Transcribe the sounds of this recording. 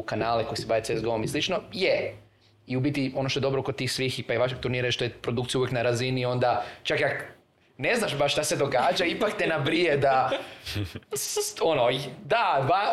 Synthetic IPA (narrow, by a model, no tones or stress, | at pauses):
kanaːleko̞jsebaʋetseezɡeomislˠit͡ʃnoje | iubit̪io̞noʃt̪oedo̞bɾokot̪iːxsʋiːxipaiʋaʃeɡ̚t̪uɾniːɾaʃt̪ojepɾod̪ukt̪ijuʋjeknaɾazinio̞nd̪at͡ʃakak | ne̞znaʃbaʃt̪aʃse̞d̪o̞ɡaːd͡ʒaipakt̪enabɾied̪a | onod̪ad̪ʋa